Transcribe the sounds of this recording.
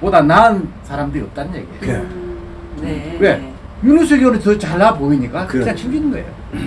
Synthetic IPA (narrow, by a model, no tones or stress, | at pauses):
podanaɯnsʰaɾamdɯɾiʌp̚t͈annɲjḛɡiḛ | we̞ | juɾuɕʰiɡjonɯnt͡ɕʌt͡ɕaɭːapoiɲik͈akɯkd͡ʑaŋɕʰiɡinnɡʌḛjo̰